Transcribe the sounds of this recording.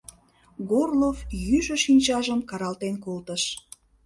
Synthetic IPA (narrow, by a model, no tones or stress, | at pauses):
ɡorlofjyʒəʃinʲt͡ɕɑʒəmkɑɾɑlt̪enkolt̪əʃ